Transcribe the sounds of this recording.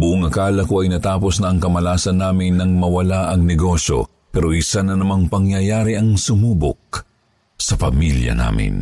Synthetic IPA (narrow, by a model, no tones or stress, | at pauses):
bʊʔʊŋɐkaːlɐkoɐjnɐt̪aːpo̞snɐŋkɐmɐlaːsɐnːaːmɪnːɐŋmɐwɐlaʔɐŋnɛɡo̞so̞̰ | pɛɾoʔisanɐnɐmaŋpɐŋjɐjaːɾiʔɐŋsʊmuːbʊ̰k̚ | sɐpɐmiljɐ̰na̰ːmɪ̰n